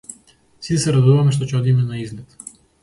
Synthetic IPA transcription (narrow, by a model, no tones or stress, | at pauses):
sit̪sɛɾad̪uvamɛʃt̪ɔcɛɔd̪imɛnaiznɛt̪